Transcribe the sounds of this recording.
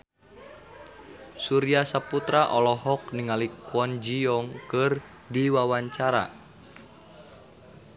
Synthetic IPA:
suɾiasaput̪ɾaʔɔlɔɦɔk̚niŋalikwɔnd͡ʒiɔŋkɨr | diwawaɲt͡ʃaɾa̰

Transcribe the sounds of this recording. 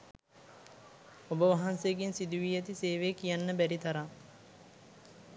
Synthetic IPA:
obəʋɐɦanseːɡensid̪uʋiːɛt̪iseːʋeːkijanːəbæɾit̪ɐɾaŋ

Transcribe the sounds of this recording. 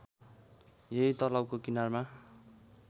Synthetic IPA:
jejt̪ʌlawkokinarma

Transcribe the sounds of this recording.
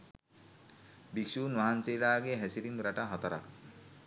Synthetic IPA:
biksunʋaɦant͡ʃejlaːɡeɦɛsiɾimɡɾaʈaɦɐt̪ɾa̰

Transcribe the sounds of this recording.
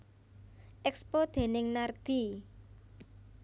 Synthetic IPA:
ʔɛkspod̪̥e̤nɪŋnard̪̥i̤

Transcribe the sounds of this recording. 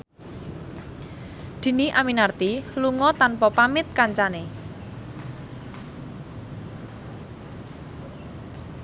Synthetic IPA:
d̪̥i̤niʔaminart̪iluŋɔt̪anpɔpamɪt̪̚kaɲt͡ʃane

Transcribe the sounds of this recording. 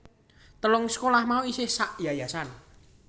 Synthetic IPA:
t̪əlʊŋsə̥kolahmauisɪhsaʔjajasan

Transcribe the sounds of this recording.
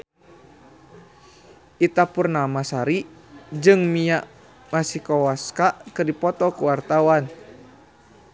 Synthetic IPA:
ʔit̪apurnamasaɾid͡ʒɨŋmiaʔ | masihkɔwaskaʔkɨrdipɔt̪ɔkuwart̪awan

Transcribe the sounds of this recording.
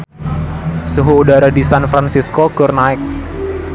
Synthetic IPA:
suɦuːdaɾadisanfɾansiskoɡ̥ʊrnaɪk̚

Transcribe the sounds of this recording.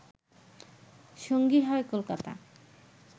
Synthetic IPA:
ʃoŋɡiɦɔekolkat̪a̰

